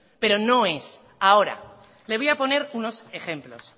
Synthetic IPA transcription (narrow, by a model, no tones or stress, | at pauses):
pe̞ɾo̞no̞e̞s | ao̞ɾa̰ | le̞β̞ojapo̞ne̞ɾuno̞se̞xe̞mplo̞̰s